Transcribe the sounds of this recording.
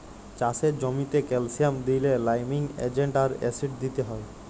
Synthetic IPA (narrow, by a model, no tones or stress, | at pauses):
t͡ɕased͡ʑomit̪ekɛlsijamd̪ilelajmiŋḛd͡ʑeɳʈaɾɛ̰siʈ̚d̪it̪eɦɔe